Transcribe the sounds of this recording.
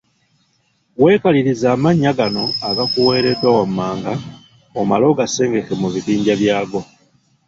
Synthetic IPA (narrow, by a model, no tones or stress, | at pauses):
we̞ːkaliɾizaːmaɲːaɡano̞aɡakuweːɾetowamːaːŋɡa | omalo̞ɡase̞ːŋɡe̞ke̞muβiβiːɲɟaβjaːɡo̞